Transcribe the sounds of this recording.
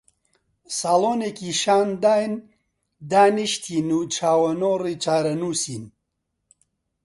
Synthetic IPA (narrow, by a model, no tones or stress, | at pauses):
saːloːneːkiːʃaːnd̪aːjn | d̪aːniʃt̪ʰiːnuːt͡ʃʰaːwɐnoːriːt͡ʃʰaːɾɐnuːsiːn